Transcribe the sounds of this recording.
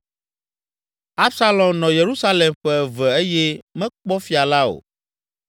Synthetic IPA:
a˦bsa˦lɔ̃˨mnɔ̃˨je˨ɾu˦sa˦le˨mɸɛ˦˨vɛ˨e˦jɛ˦mɛ̃˦k͡pɔ˦fi˨˦a˨la˦o̰˨

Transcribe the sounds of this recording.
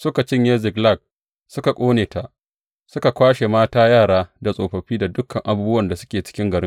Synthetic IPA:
sʊ˦ka˨t͡ʃɪ˦ɲje˦zɪ˨ɡla˦˨k̚ | sʊ˦ka˨kʷʼoː˦neː˨ta˨ʔ | sʊ˦ka˨kʷaː˦ʃe˨maː˦taː˦jaː˦˨ɽaː˦da˨sʼoː˨ɸɐ˨ɸiː˦da˨dʊ˦kʰːɐ˨ŋʔa˨˦buː˦bʊ˦wɐ˦˨nda˨sʊ˦kʲeː˨t͡ʃɪ̥˦kʲɪ˦ŋɡɐ˨ɽɪ˦

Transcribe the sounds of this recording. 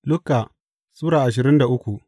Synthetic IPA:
lʊ˦kːa˨ | suː˦ɽaː˨ʔa˨ʃ̬ɪ˨ɾɪ˦nda˨ʔʊ˦kʷu˨ʔ

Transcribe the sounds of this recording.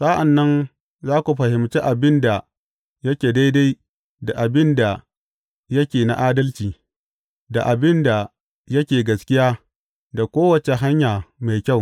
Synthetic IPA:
sa˦ʔa˨nːɐ˦n | zaː˦kʷu˨ɸɐ˨hɪ˨mt͡ʃe˦ʔa˨bɪ˦nda˨ | jɐ˦kʲeː˨da˦jda˦j | da˨ʔa˨bɪ˦nda˨ | jɐ˦kʲeː˨na̰˦ʔaː˦dɐ˦lt͡ʃiː˨ | da˨ʔa˨bɪ˦nda˨ | jɐ˦kʲeː˨ɡɐ˨skʲɪ˦jaː˦ | da˨kʷoː˦wɐ˨t͡ʃe˨ɦa˦ɲjaː˨ma˨jkʲa˦˨w

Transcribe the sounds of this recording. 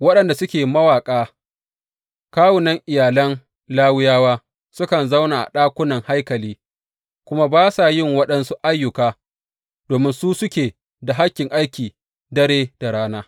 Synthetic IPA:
wɐ˦ɗɐ˨nda˨sʊ˦kʲeː˨mɐ˦waː˨kʼaː˦ | kaː˦wʊ˨nɐ˦ŋʔɪ˨jaː˨lɐ˦n | laː˦wɪ˦jaː˦waː˦ | sʊ˦kɐ˨nza˦wna˨ʔa̰˨ɗaː˦kʷʊ˦nɐ˨ŋha˦jkɐ˨liː˦ | kʷʊ˦ma˦baː˦saː˨jɪ˦˨ŋwɐ˦ɗɐ˦nsu˦ʔa˦jːʊ˨kaː˦ | d̥oː˨mɪ˦nsuː˦sʊ˦kʲeː˨ | da˨ɦa˦kʲːɪ˨ŋʔa˦jkʲiː˨ | dɐ˦ɾeː˦d̥a˨ɽaː˦naː˦

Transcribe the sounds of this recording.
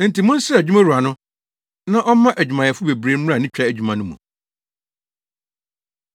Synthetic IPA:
n̩˨ti˨mʊ̃˦n̩˦sɪ˦˨d͡ʑᶣu˦ma˦ɾu˨a˨nʊ̃˦ | nã˦ʔɔ˦m˦mã˦ʔæ˨d͡ʑᶣu˨mã˨jɛ˨fʊ˦be˨bɾe˨˦m̩˦a˦˨nɪ̃˦t͡ɕᶣa˦æ˨d͡ʑᶣu˨mã˨nʊ̃˦mṵ̃˨

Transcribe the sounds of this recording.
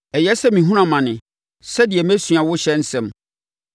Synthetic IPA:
ɛ˨jɛ˦sɛ˦mĩ˨ɦũ˦ɾ̃ã˨mã˨nɪ̃˨ | sɛ˦dɪ˨ɛ˨mæ̃˦sɥa˨wʊ˦ɕɛ˦n̩˦sɛ̃˦˨m

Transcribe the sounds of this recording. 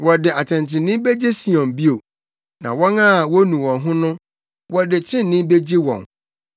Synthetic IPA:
wɔ˨dɪ˨a˨t͡ɕʰɛ̃˨nt͡ɕʰɪ̃˨nɪ̃˦be˦d͡ʑi˦si˨ɔ̃˨nbi˦o˨ | nã̰˨wɔ̃˦na˦˨wɔ˦nũ˨wɔ̃˨nɦʊ̃˦nʊ̃˦ | wɔ˦dɪ˨t͡ɕʰɾɪ̃˦n˨nːɪ̃˦be˦d͡ʑi˦wɔ̰̃˨n

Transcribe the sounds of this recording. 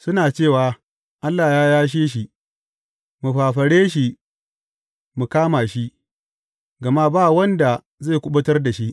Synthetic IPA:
sʊ˦naː˨t͡ʃeː˦˨waː˨ | ʔa˦lːaː˨jaː˦jaː˦ʃ̬eː˦ʃ̬i˦ | mu˨ɸaː˨ɸɐ˨ɽeː˦ʃ̬i˦ | mu˨kaː˦maː˨ʃi˦ | ɡɐ˨ma˦baː˦˨wɐ˦nda˨ | za˦˨kʷʊ˦ɓʊ˦tɐ˦rda˨ʃi˦ʔ

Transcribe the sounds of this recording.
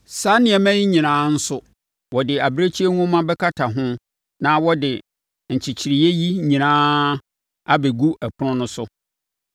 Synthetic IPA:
sa˨˦nɪ̃˨ɛ˨mæ̃˦ji˦ɲĩ˨nãː˦n̩˦sʊ˦ | wɔ˨dɪ˨a˨bɾe˦t͡ɕʰi˦ɛ˦nũ˦mã˦bɛ˦kʰa˦tʰa˨ɦʊ̃˦ | nã˦wɔ˦dɪ˨ | ɲ̩˨t͡ɕʰi˨t͡ɕʰi˨ɾi˨je˦ji˦ɲĩ˨nãː˦ | a˦be˨ɡu˦ʔæ˨pʰʊ˦nʊ̃˦nʊ̃˦sʊ˦

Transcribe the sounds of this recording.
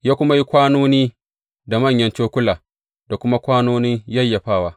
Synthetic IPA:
jaː˦kʷʊ˦ma˦ji˦kʷaː˦noː˦niː˦ | da˨mɐ˦˨ɲjɐ˦nt͡ʃoː˦kʷʊ˦laː˨ | da˨kʷʊ˦ma˦kʷaː˦noː˦nɪ˦ɲjɐ˦˨jːa˨ɸaː˦˨waː˦

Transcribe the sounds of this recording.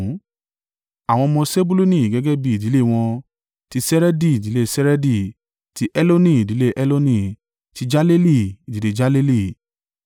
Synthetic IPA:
a˨w̃ɔ̃˧mɔ̃˧se˦bu˦lu˦nĩ˦˨ɡɛ˨˦ɡɛ˦bi˦˨i˨di˨˦le˦˨w̃ɔ̃˧ | ti˧sɛ˦ɾɛ˦di˦˨di˨˦le˦sɛ˦ɾɛ˦di˦ | ti˧˦ʔɛ˦lo˦nĩ˦˨i˨di˨˦le˦ʔɛ˦lo˦nĩ˦˧˨ | ti˧d͡ʒa˦le˦li˦˨i˨di˨˦de˧d͡ʒa˦le˦li˦˨

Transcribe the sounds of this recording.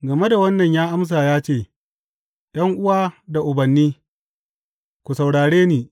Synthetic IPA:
ɡɐ˨me˦da˨wɐ˦nːɐ˨ɲjaː˦ʔa˦ms̬aː˨jaː˦t͡ʃeː˦˨ | ɗɐ˦ŋʔʊ˦waː˦da˨ʔʊ˨bɐ˨nːiː˦ | kʷu˨sɐ˨wɽaː˨ɽeː˦niː˨

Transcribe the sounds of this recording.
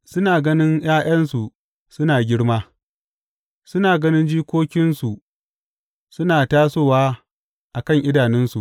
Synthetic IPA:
sʊ˦naː˨ɡɐ˦nɪ˦ŋjaː˦j̰ɐ˦nsu˨ | sʊ˦naː˨ɡʲɪ˦ɽmaː˦ | sʊ˦naː˨ɡɐ˦nɪ˦nd͡ʒiː˦kʷoː˦kʲɪ˦nsu˨ | sʊ˦naː˨taː˦soː˦˨waː˦ | ʔa˨kɐ˦˨ŋʔɪ˦daː˨nɛ˦nsu˨ʔ

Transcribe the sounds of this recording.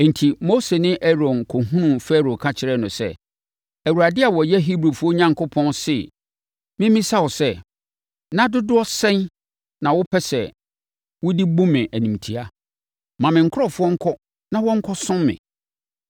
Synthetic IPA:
n̩˨tʰi˨mo˦se˨nɪ̃˦ʔɛ˦ɾɔ̃˨nkʰɔ˨ɦũ˦nũ˨fɛ˦ɾõ˨kʰa˦t͡ɕʰɪ˨ɾɛ˦˨nʊ̃˨sɛ̰˦ | æ˨wu˨ɾa˨dɪ˦a˨wɔ˨jɛ˦ɦi˦bɾu˨fu˦o˦ɲã˨ŋkʰʊ˦pʰɔ̃˦nsɪ˦˨ | mɪ̃˦mĩ˦sa˦wɔ˨sɛ˦ | nã˦dʊ˦dʊ˦ɔ˦sɛ̃˦n | nã˨wʊ˦pʰɛ˦sɛ˨ | wʊ˦di˦bʊ̃˦mɪ̃˨ʔæ˨nĩ˨m˨tʰi˨a˦ | mã˨mɪ̃˨ŋ̩˨kʰʊ˦ɔ˦fʊ˦ɔ˦ŋ̩˦kʰɔ˦ | nã˦wɔ̃˦ŋ̩˦kʰɔ˦sʊ̃˦mːɪ̰̃˨

